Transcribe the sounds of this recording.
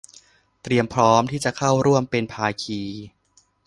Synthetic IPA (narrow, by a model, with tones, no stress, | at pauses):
t̪ɾi˧əmpʰɾɔː˦˥mt̪ʰiː˥˩t͡ɕa˨˩kʰa˥˩wɾu˥˩əmpe˧npʰaː˧kʰiː˧